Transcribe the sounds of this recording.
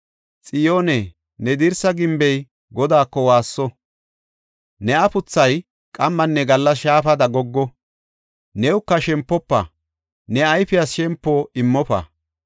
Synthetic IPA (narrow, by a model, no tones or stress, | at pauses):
t͡sʼɪjoːnɛ | nɛd̪ɪɾsɐɡɪmbɛj | ɡɔd̪aːkːɔwaːsːɔ | nɛɐpʊt͡sːɐj | kʼɐmːɐnːɛɡɐlːɐsʃaːfɐd̪ɐɡɔɡːɔ | nɛwʊkːɐʃɛmpːɔpːɐ̰ | nɛɐjfɪjɐsʃɛmpːoɪmːɔpɐ̰